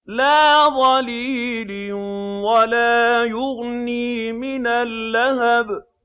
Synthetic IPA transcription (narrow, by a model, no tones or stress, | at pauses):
laːðˤɑliːlɪnwalaːjʊɣniːmɪnalːaɦab